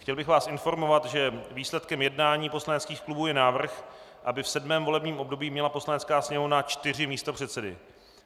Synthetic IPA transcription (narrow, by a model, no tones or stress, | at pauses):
xcɛlbɪxvaːsʔɪnfo̞ɾmo̞vat̪ʒɛviːslɛt̪kɛmjɛdnaːɲiːpo̞slanɛt͡skiːxklubuːjɛnaːvr̩x | ʔabɪfsɛdmɛːmvo̞lɛbɲiːmʔobdo̞biːmɲɛlapo̞slanɛt͡skaːsɲɛɦunat͡ʃt̪ɪr̝ɪmiːst̪o̞pr̝̥ɛt̪sɛdɪ̰